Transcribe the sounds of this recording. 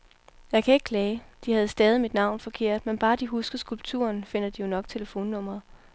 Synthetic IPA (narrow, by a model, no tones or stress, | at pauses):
jɑ̈ɪkʰæe̝ɡ̥ə̥kʰlɛːd̥ihæð̞̩ˠsd̥ɛːð̞ˠimid̥nɑ̈ʊ̰nfɒ̽kʰe̝ɐ̰d̥menb̥ɑ̈ːd̥iɦusɡ̥ɐsɡ̥ulb̥̚t͡sʰṵɐnfe̝n̰ɐd̥ijo̝nɒ̽ɡ̥̚t͡sʰe̝ləfo̝̰ːnːɔ̽m̰ʁɐðˠ